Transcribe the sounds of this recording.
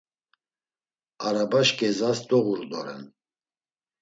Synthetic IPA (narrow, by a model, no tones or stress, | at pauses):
aɾabaʃkʼɛzasd̪ʼɔɣuɾd̪ɔɾɛ̰n